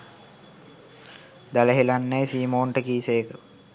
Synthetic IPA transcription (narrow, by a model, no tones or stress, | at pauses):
d̪aləɦilanːɛjsiːmoːɳʈəkiːseːkə